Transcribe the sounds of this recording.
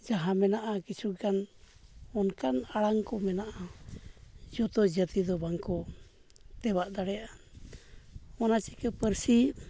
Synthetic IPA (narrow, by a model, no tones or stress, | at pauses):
d͡ʒaɦamɛnaʔakisuɡan | ɔnkanaɽaŋkɔmɛnaʔa | d͡ʒɔt̪ɔd͡ʒət̪id̪ɔbaŋkɔ | t̪ɛbaʔd̪aɽɛjaʔa | ɔnat͡ʃikəpəɾsi